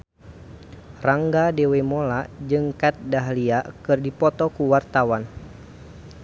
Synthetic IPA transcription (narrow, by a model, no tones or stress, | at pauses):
raŋɡadewɛmolad͡ʒɨŋkat̪̚daɦliakɨrdipɔt̪ɔkuwart̪awan